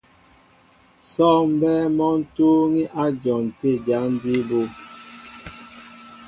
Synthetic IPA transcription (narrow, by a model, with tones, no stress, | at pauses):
sɔ˦˨m̩˦bɛː˦mɔ˦n̩˦to˦ŋi˦ʔa˦d͡ʒɔ˨n̩˨te˦˨d͡ʒa˨˦n̩˦di˦bo˦˨